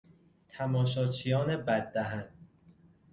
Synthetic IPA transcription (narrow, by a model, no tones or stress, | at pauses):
t̪ʰæmɒːʃɒːt͡ʃʰijɒːnebæd̪̚ːæɦæn